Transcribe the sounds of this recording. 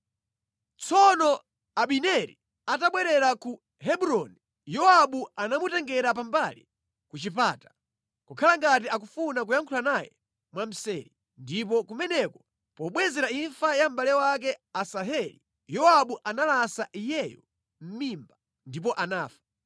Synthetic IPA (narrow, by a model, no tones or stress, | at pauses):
t͡sɔnɔ | aɓinɛɾḭ | ataɓwɛɾɛɾaku | hɛbuɾɔni | jɔaɓuanamutɛŋɡɛɾap̬ambalḭ | kut͡ʃip̬aːtḁ | kukʰalaŋɡat̬iakufunak̬ujaŋkʰulanajɛ̰ | mwam̩sɛ̰ːɾi | ndip̬ɔkumɛnɛkɔ̥ | pɔɓwɛzɛɾaiɱfajam̩balɛwak̬ɛasaɦɛlḭ | jɔaɓuʔanalasaʔijɛjɔ̰ | m̩mimba | ndip̬ɔʔanaːfḁ